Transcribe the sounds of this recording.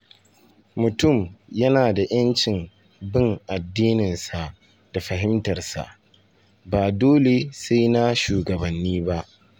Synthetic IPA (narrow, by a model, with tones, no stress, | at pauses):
mʊ˨tʊ˦˨mjɐ˦naː˨da˨j̰ɐ˦nt͡ʃɪ˨m | bɪ˦ŋʔa˨dːiː˦nɪ˨nsa˨ʔ | d̥a˨ɸɐ˨ɦɪ˦mtɐ˨rsa̰˨ʔ | baː˨doː˦le˨se˦jna˦ʃuː˨ɡɐ˨bɐ˨nːiː˦ba˦ʔ